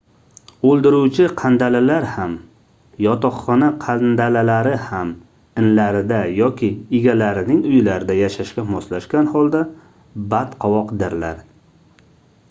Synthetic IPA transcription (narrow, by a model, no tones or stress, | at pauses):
olˠd̪ɪɾuwt͡ʃʰɪqʰand̪alalaɾham | jɒt̪ɒχːɒnaqʰand̪alalaɾɪham | ɪnlaɾɪd̪ajɒkʲʰɪːɡʲalaɾɪnɪŋʊjlaɾɪd̪ajaʃaʃkʲamɒslaʃkʲanhɒlˠd̪a | bat̪qʰɒwɒqd̪ɪɾla̰ɾ